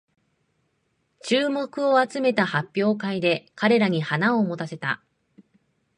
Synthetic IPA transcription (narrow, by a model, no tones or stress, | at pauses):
t͡ɕɨːmo̞kɯ̟o̞at͡sɨme̞t̪ahapʲːjo̞ːkaid̪e̞kaɾe̞ɾaɲ̟ihanaoːmo̞t̪ase̞t̪a̰